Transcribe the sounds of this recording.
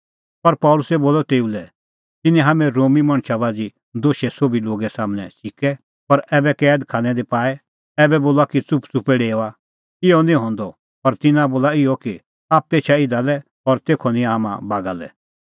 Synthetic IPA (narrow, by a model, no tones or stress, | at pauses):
pɐɾpɔːlʊsɛboːlɔt̪eːulɛ | t̪ɪnɛ̃ɦaːmɛ̃ɾoːmimɐɽ̃ʃabaːd͡zi | d̪oːʃɛsobiloːɡɛsaːmənɛ̰̃ʃɪkɛ | pɐɾɛːbɛkɛːd̪kʰaːnɛ̃d̪epaːɛ | ɛːbɛboːlakit͡sʊpt͡sʊpɛɽeːɔa | ɪɔnĩɦɔ̃ːnd̪ɔ | pɐɾt̪ɪnãboːlaɪjɔki | aːp̚t̪eːt͡ʃʰaɪd̪alɛ | ɔɾt̪eːkʰɔnɪ̃aɦamã̰baːɡalɛ̰